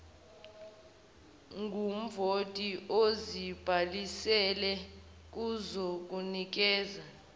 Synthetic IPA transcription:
ŋʱum̩votʼiozib̥ʱalisɛlɛ | k̬uzok̬ʼunik̬ɛːza

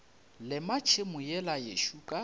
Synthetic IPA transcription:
lɪmat͡ʃʰemʊjɛlajḛʃuːkʼa

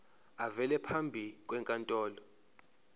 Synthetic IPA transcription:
avɛlɛpʰambʱik̬ʼwɛŋkʼantʼɔːlɔ

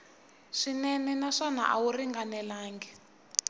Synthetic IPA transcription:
ʂinɛnɛnaʂana̰ʔa̰wuriŋɡanɛlaːŋɡɛ

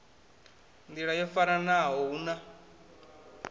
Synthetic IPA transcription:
nd̪iɺajɔfaɾanaɦɔuna

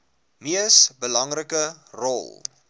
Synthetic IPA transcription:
miəsbəlɐŋrəkərɔ̰lˠ

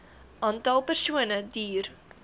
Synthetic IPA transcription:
ʔɑːntɐlˠpərsuənədiːr

